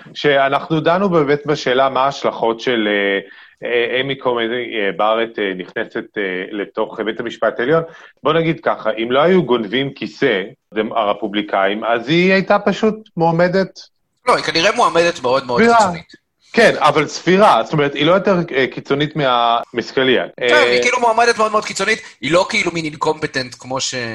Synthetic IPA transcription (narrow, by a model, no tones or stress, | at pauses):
ʃe̞anaχnudanubeːmetbeʃe̞ːlamaːʃlaχo̞tʃe̞le | eʔemikʰomeebaʁeteniχnese̞tele̞to̞χbetamiʃpateljo̞nbo̞naɡid̪kaχaʔimlo̞ajuɡonvimkisedemaʁepublikʰaimaziajtapaʃut̚moame̞det | loikaniʁemuamedet̪meo̞d̪meofiʁait | kenavalsfiʁazt̪omeet̪ilo̞jo̞teʁkit͡so̞nitmeamiskalia̰eikiilumoamedetmeo̞d̪meod̪kit͡so̞nit̪ilo̞keilumininko̞mpetent̪kmo̞ʃe